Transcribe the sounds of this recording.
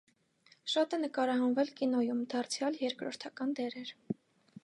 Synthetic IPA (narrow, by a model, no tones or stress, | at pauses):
ʃɑt̪ɛnəkɑɾɑɦɑnvɛlkinɔjumd̪ɑrt͡sʰjɑljɛɾkɾɔɾt̪ʰɑkɑnd̪ɛɾɛɾ